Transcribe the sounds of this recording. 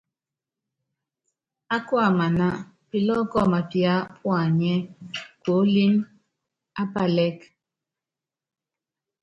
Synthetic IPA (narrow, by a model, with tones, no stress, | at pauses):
a˦kwa˦˨ma˨na˦ | pi˨lɔ˦kɔ˦˨ma˨pja˦pʰwa˨ɲɛ˦ko˨˦li˦n | a˦pa˦lɛ˦k